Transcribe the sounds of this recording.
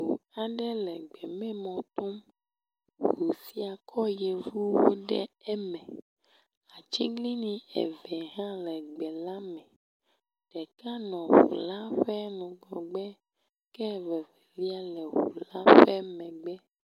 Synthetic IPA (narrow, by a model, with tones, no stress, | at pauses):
u˨a˨ɖɛ˦lɛ˨ɡ͡bɛ˨mɛ̃˦mɔ̃˨t̪o˦m | hu˨si˦a˨kʰɔ˦jɛ˨vu˦wo̰˦ɖɛ̰˦ɛ˦mɛ̃˨ | a˨t͡ʃi˦ɡli˦nĩ˨ɛ̰˨vɛ˨ɦã˦lɛ˨ɡ͡bɛ˨la˦mɛ̃˨ | ɖ̥ɛ˨ka˦nɔ̃˨ɦṵ˨la˦ɸɛ˦nũ˨ɡɔ˨ɡ͡bɛ˦ | kɛ˦˨vɛ˨vɛ˨vi˦a˦lɛ˨ɦṵ˨la˦ɸɛ˦mɛ̃˨ɡ͡bɛ˦